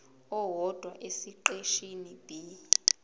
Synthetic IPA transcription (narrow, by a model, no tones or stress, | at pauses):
ɔwɔd̥ʱwaʔesiǃeʃinib̥ʱi